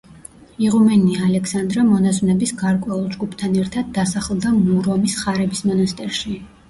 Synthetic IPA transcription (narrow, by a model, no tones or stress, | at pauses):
iʁumɛnialɛkʰsand̪ɾamɔnaznɛbisɡaɾkʼwɛulˠd͡ʒɡupʰt̪ʰanɛɾt̪ʰad̪ːasaχlˠd̪amuɾɔmisχaɾɛbismɔnast̪ʼɛɾʃi